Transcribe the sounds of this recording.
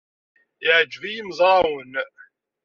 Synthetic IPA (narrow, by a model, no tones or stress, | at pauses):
ɪʕəd͡ʒvijəmzˤɾˤɑwən